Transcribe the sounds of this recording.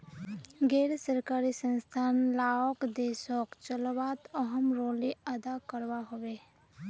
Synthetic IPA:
ɡɛːɾsəɾkaːɾisə̃nst̪ʰaːnlaːokd̪eːsokt͡ʃəlwaːt̪əɦəmɾoːliəd̪akəɾwaɦowe

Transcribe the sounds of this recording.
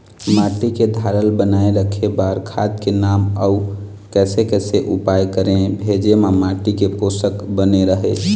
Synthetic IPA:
maʈiked̪ʱaɾəlbənaeɾəkʰebaɾkʰad̪kenaməu | kɛsekɛseʔupajkəɾẽbʱed͡ʒemamaʈikeposəkbəneɾəɦɛt͡ʃʰ

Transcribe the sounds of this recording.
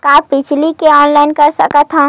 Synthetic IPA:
kaːpɪt͡ʃʰlikeɔːnlaːɪnkəɾsəkət̪ɦõ

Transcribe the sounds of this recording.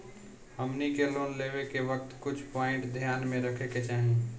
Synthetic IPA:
ɦəmnikeloːnleːwekeʋək̚t̪kʊt͡ʃʰpɔːɪ̃ɳʈd̪ʱjaːnmẽɾəkʰeket͡ʃaːɦĩ

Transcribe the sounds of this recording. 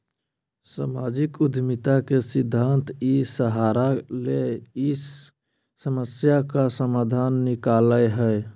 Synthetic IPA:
samad͡ʒikud̪ʱmit̪akesid̪ʱːant̪ʰisəɦaɾalei | səməsjakasəmad̪ʱanːikaləjɦəe

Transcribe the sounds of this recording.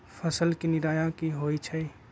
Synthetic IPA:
pʰəsəlkinɪɾaːjakiɦoːit͡ʃʰəi

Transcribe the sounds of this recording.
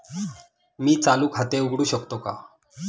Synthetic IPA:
miːt͡saluːkʰat̪euɡɽuːɕəkt̪oka̰

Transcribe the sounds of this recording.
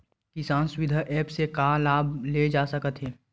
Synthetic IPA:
kɪsaːnsʊwɪd̪ʱaʔɛːpsekalaːbled͡ʒaːsəkət̪ɦɛː

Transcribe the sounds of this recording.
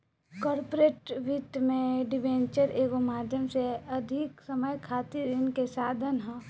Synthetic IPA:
kɔːɾpoɾeːʈʋit̪mẽɖɪʋẽːnt͡ʃəɾeːɡomaːd̪ʱjəmseɐd̪ʱɪksɐməjkʰaːt̪iɾɪnkesaːd̪ʱənɦɛ̃

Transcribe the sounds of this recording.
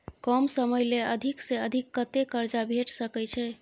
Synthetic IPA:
kɔmsəməjleəd̪ʱiksẽəd̪ʱikːət̪ekəɾd͡ʒabʱeʈsəkɛt͡ʃʰɛ

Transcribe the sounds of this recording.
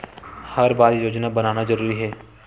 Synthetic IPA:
hɐɾbaːd̪joːd͡ʒnabənaːnazəɾuːɾiɦɛː

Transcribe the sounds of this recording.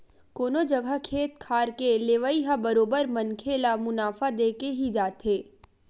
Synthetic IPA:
koːnod͡ʒɐɡʱəkʰeːt̪kʰaːɾkeleːʋəiɦabɐɾoːbəɾmɐnkʰeːlamʊnaːfad̪eːkeɦid͡ʒaːt̪eː

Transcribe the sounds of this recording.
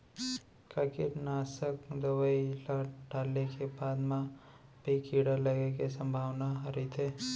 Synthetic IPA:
kəkɪɾnaːsəkd̪əwəilaɖaːlːekebaːd̪mã | bʱikiːɽaləɡekesə̃mbʱaːwnaɦəɾit̪ʰeː

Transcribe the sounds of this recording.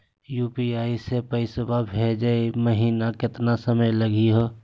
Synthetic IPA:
juːpiaːisepəɪsbabʱed͡ʒəeməɦiːnakɪt̪nasəməjləɡiɦoː

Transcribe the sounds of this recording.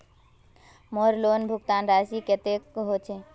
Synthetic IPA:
moɾloːnbʱʊɡt̪aːnɾasiket̪ekɦot͡ʃʰe

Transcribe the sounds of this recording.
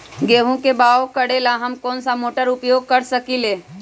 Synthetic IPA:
ɡeːɦũkebaːokəɽelaɦɐmkɔːnsamoːʈəɾʊpjoːɡ̚kəɾsəkileː

